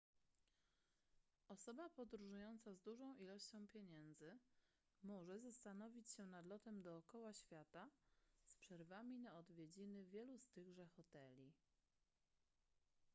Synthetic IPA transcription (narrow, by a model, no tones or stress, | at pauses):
ʔɔsɔbapɔd̪ɾuʐujɔnt̪sazd̪uʐɔ̃w̃ʔilɔɕt͡ɕɔ̃w̃pʲjeɲɛnd̪zɘ | mɔʐɛzast̪anɔvʲit͡ɕɕɛnad̪lɔt̪ɛmd̪ɔːkɔwaɕfʲjat̪aspʂɛɾvamʲinaɔd̪vʲjed͡ʑinɘvʲjɛlust̪ɘɣʐɛxɔt̪ɛlʲi